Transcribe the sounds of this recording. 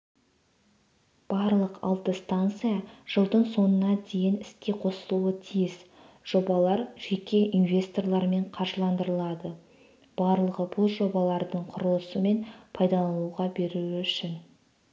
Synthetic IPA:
b̥ɑɾlˠəqɑ̰lˠt̪əst̪ant̪sɨjaʒ̥əlˠd̪əɴso̞nənɑd̪e̞jɪnɪskʲe̞qʰo̞səlˠuət̪ʰijɪz | ʒ̥o̞bɑlˠɑɾʒ̥e̞kʲe̞ʔinvʲe̞st̪o̞rlˠɑɾme̞ɴqʰɑɾʒəlˠɑnd̪əɾəlˠɑd̪ə | b̥ɑɾlˠəʁəbʊlˠʒo̞bɑlˠɑɾd̪əɴqʰʊɾolˠəsəme̞npʰɑjd̪ɑɑlˠuwʁɑbe̞ɾuɪʏʃɪn

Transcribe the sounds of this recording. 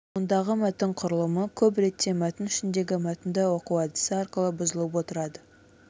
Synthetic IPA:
ond̪ɑʁəmæt̪ɪɴqʰʊɾəlˠəməkʲʰɵp̬ɾe̞t̪ːe̞mæt̪ɪnʏʃɪnd̪e̞ɡʲɪmæt̪ɪnd̪əwo̞quwɑd̪ɪ̥səɑɾqəlˠəbʊzəlˠəp̬wo̞t̪əɾɑd̪ə

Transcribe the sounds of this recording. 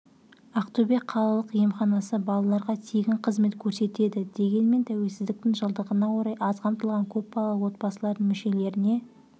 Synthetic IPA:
ɑqt̪ube̞k̚qʰːɑlˠɑlˠəqijemχɑnɑsəbɑlˠɑlˠɑɾʁɑt̪ʰeɡʲɪɴqʰəzme̞t̪kʲʰɵɾse̞t̪e̞d̪ɪd̪̥e̞ɡʲe̞nme̞nt̪ʰæwe̞lsɪzd̪ɪk̚t̪ɪŋʒəlˠd̪əʁənɑwo̞ɾɑjʔɑzqʰɑmt̪əlˠʁɑŋkʲʰɵp̚bɑlˠɑwo̞t̪̚bɑsəlˠɑɾd̪əɴmɪʃe̞le̞ɾɪne̞

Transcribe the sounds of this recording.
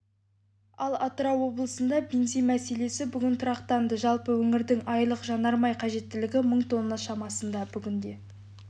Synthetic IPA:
ɑlˠɑt̪ɾɑwo̞blˠəsənd̪ɑbʲenzijmæse̞le̞sɪbʏɡʲɪnt̪ʰʊɾɑqt̪ɑnd̪əʒɑlˠpəwɵŋɪɾd̪ɪŋʔɑjlˠəqʒɑnɑɾmɑjqʰɑʒe̞t̪ːɪlɪɡʲɪməɴt̪ʰo̞nːɑʃɑmɑsənd̪ɑbʏɡʲɪnd̪e̞

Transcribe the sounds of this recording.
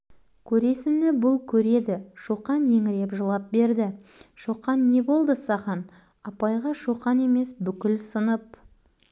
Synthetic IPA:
kʲʰɵɾe̞sɪnɪbʊlˠkʲʰɵɾe̞d̪ɪʃuqɑnje̞ŋɪɾe̞pʒəlˠɑp̚be̞ɾd̪ɪ | ʃuqɑnːe̞bo̞lˠd̪əsɑʁɑn | ɑpɑjʁɑʃuqɑne̞me̞sbʏkʲɪlsənəp̚

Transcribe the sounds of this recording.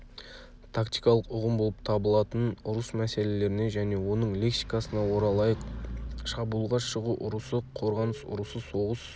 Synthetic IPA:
t̪ʰakt̪ijkɑlˠəqʊʁəmbo̞lˠəp̚t̪ʰɑbəlˠɑt̪ənʊɾəsmæse̞le̞le̞ɾɪne̞ʒæne̞wo̞nəɴlʲeksikɑsənɑwo̞ɾɑlˠɑjəqʃɑbuːlˠʁɑʃəʁuʔʊɾəsəqʰo̞ɾʁɑnəsʊ̰ɾəsəso̞ʁəs

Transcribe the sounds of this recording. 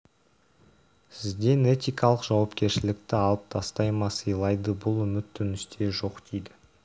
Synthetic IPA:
sɪzd̪e̞ne̞t̪ʲijkɑlˠəqʒɑwɑpkʲe̞ɾʃɪlɪk̚t̪ɪɑlˠəp̚t̪ʰɑst̪ɑjmɑsəjlˠɑjd̪əbʊlˠʏmɪt̪ʰːʏnʏst̪ʰe̞ʒo̞qd̪̥ejd̪ɪ

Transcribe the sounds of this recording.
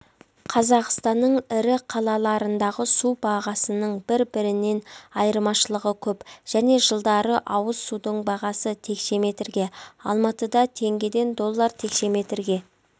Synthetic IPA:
qʰɑzɑqst̪ɑnːəɴɪɾɪqʰɑlˠɑlˠɑɾənd̪ɑʁəsubɑʁɑsənəɴbɪɾbɪɾɪne̞nɑjəɾmɑʃəlˠəʁəkʲʰɵpʒ̥æne̞ʒəlˠd̪ɑɾəʔɑwəzsud̪əɴbɑʁɑsət̪ʰe̞kʃe̞me̞t̪ɾɡʲe̞ɑ̰lˠmɑt̪əd̪ɑt̪ʰe̞ŋɡʲe̞d̪e̞nd̪o̞lˠːɑɾt̪ʰe̞kʃe̞me̞t̪ɾɡʲe̞

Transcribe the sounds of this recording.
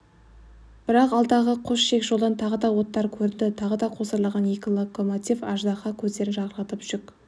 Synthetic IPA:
b̥ɪɾɑqɑlˠd̪ɑʁəqʰoʃʃe̞kʒ̥olˠd̪ɑnt̪ʰɑʁəd̪ɑwo̞t̪ːɑɾkʲʰɵɾɪnd̪ɪt̪ʰɑʁəd̪ɑqʰo̞səɾlˠʁɑnje̞kʲɪlˠoko̞mot̪ʲifɑʒd̪ɑqɑkʲʰɵzd̪e̞ɾɪnʒɑʁəɾlɑt̪əpʒ̥ʏk

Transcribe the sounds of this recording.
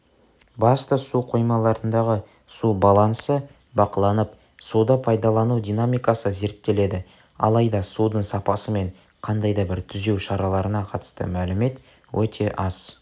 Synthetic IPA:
bɑst̪əsuqʰo̞jmɑlˠɑɾənd̪ɑʁə | subɑlˠɑnsə | bɑqəlˠɑnəp̚ | sud̪ɑpʰɑjd̪ɑlˠɑnud̪ijnamijkɑsəze̞ɾt̪ːe̞le̞d̪ɪ | ɑ̰lˠɑjd̪ɑsud̪əɴsɑpɑsəme̞ɴ | qʰɑnd̪ɑjd̪ɑbɪɾt̪ʰʏze̞wʃɑɾɑlˠɑɾənɑqʰɑt̪ə̥st̪ə̰mælɪme̞t̪ | wɵt̪ʰe̞ʔɑs

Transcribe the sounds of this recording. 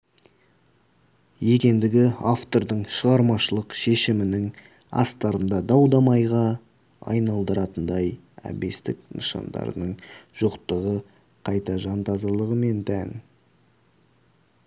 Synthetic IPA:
je̞kʲe̞nd̪ɪɡʲɪaft̪o̞ɾd̪əɴʃəʁɑɾmɑʃəlˠəqʃe̞ʃɪmɪnɪŋ | ɑ̰st̪ɑɾənd̪ɑd̪ɑwd̪ɑmɑjʁɑ | ɑ̰jnɑlˠd̪əɾɑt̪ənd̪ɑj | æ̰be̞st̪ɪknəʃɑ̰nd̪ɑ̰ɾə̰nəɴʒ̥oqt̪əʁə | qʰɑjt̪ɑʒɑnt̪ɑzɑlˠəʁəme̞nt̪ʰæn

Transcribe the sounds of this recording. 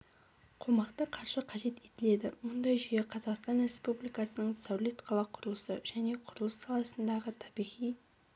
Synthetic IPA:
qʰo̞mɑqt̪əqʰɑɾʃəqʰɑʒe̞t̪e̞t̪ɪle̞d̪ɪmʊnd̪ɑjʒʏje̞qʰɑzɑqst̪ɑnɾe̞spublijkɑsənəɴsawle̞t̪qʰɑlˠɑqʰʊɾəlˠəsə̰ʒ̥æne̞qʰʊɾəlˠəsːɑlˠɑsənd̪ɑʁət̪ʰɑbijʁij

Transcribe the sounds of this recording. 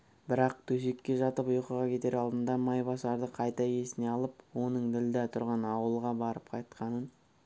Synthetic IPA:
bɪɾɑq̚t̪ʰɵs̬e̞kʲːe̞ʒɑt̪əpʊjqəʁɑkʲʰe̞t̪e̞ɾɑlˠd̪ənd̪ɑmɑjbɑsɑɾd̪əqʰɑjt̪ɑje̞sɪne̞ɑlˠəpwo̞nəɴd̪ɪld̪ɪt̪ʰʊɾʁɑnɑwəlˠʁɑbɑɾəpqʰɑjt̪qɑnən

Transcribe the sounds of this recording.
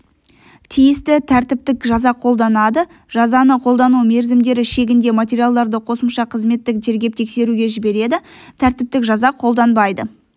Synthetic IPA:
t̪ʰijɪst̪ɪt̪ʰæɾt̪ɪp̚t̪ɪkʒɑzɑqʰo̞lˠd̪ɑnɑd̪ə | ʒ̥ɑzɑnəqʰo̞lˠd̪ɑnume̞ɾzɪmd̪e̞ɾɪʃe̞ɡʲɪnd̪e̞mat̪ʲeɾʲijalˠd̪ɑɾd̪əqʰo̞səmʃɑqʰəzme̞t̪ːɪkʒe̞ɾɡʲe̞p̚t̪ʰe̞kse̞ɾuɡʲe̞ʒɪbe̞ɾe̞d̪ɪ | t̪ʰæɾt̪ɪp̚t̪ɪkʒɑzɑqʰo̞lˠd̪ɑnbɑjd̪ə

